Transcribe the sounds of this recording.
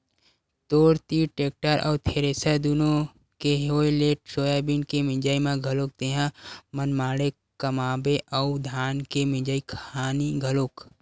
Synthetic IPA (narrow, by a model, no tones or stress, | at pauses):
t̪oːɾt̪iʈeːk̚ʈəɾʔɔ̰ːt̪ʰeːɾesəd̪unõ | keɦoːjleːʈ̚soːjaːbinkemɪ̃d͡ʒaːimãɡʱəloːk̚t̪eɦãmənmaːɽe | kəmaːbeʔɔʊd̪ʱaːnkemɪ̃d͡ʒəikʰaːniɡʱəloːk